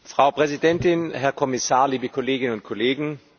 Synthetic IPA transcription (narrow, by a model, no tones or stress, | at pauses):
fʁ̥aʊpʁ̥ɛzidɛntɪnhɛɐkʰɔmɪsaːɐliːbəkʰɔleːɡɪnənʊnt̚kʰɔleːɡŋ̩